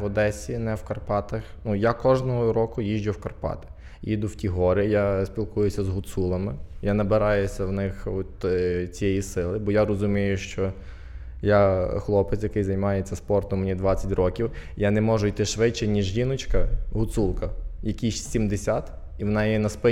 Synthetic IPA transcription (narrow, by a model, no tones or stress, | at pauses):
ʋɔd̪ɛsʲinɛwkɐrpɑt̪ɐxnujakɔʒnɔɦɔɾɔkʊjiʒd͡ʒʊwkɐrpɑ̰t̪ɪ̥ | id̪ʊwtʲiɦɔɾɪjasʲpʲilˠkujʊsʲɐzɦʊt̪sulˠɐmɪjanɐbɪɾɑjʊsʲɐwnɪxɔt̪t͡sʲijɛjisɪlˠɪbɔjaɾɔzʊmʲijʊʃt͡ʃɔ | jaxlˠɔpɪt̪sjɐkɪjzɐjmɑjet͡sʲːɐspɔrt̪ɔmnʲid̪ʋɑt͡sʲːɐtʲrɔkʲiwjanɛmɔʒʊjt̪ɪʃʋɪt͡ʃːɐnʲiʒjinɔt͡ʃkɐɦʊt̪sulˠkɐjɐkʲiʃsʲimd̪esʲat̪ | iʋɔnɑjɛnɐspɪ